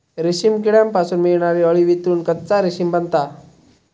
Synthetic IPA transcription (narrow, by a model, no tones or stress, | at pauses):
ɾiɕimk̬iɽjampasuːnmiɭɳaʋiəɭiʋit̪uːnkətt͡saɾiɕimbənt̪a